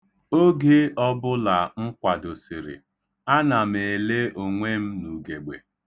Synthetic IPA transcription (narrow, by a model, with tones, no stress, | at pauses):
o˦ɡe˦ɔ˦bʊ˦la˨ŋ̩˦kʷa˨do˨si˨ɾɪ̰˨ | a˦na˨me˨le˦o˨ŋʷe˦m̩˦nu˨ɡe˨ɡ͡be˨